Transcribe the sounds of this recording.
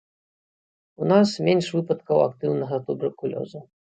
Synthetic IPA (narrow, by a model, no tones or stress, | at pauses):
unasmʲenʂvɨpɐt̪kɐwa̰kt̪ɨwnɐɣɐt̪ubɛrkulʲɔ̰zu